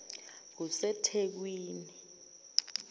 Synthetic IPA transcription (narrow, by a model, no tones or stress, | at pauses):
k̬usɛtʰek̬wiːni